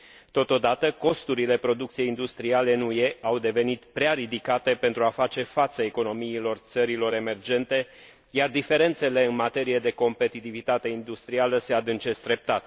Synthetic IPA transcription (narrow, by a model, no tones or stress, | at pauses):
t̪o̞t̪o̞d̪at̪əko̞st̪uɾile̞pɾo̞d̪ukt̪sije̞jind̪ust̪ɾiale̞ɨnuje̞awd̪e̞ve̞nit̪pɾeaɾid̪ikat̪e̞pe̞nt̪ɾuafat͡ʃe̞fat̪səe̞ko̞no̞miːlo̞rt̪səɾilo̞ɾe̞me̞rd͡ʒe̞nt̪e̞ | jard̪ife̞ɾe̞nt̪se̞le̞ɨnmat̪e̞ɾije̞d̪e̞ko̞mpe̞t̪it̪ivit̪at̪e̞ind̪ust̪ɾialəse̞ad̪ɨnt͡ʃe̞st̪ɾe̞p̚t̪at̪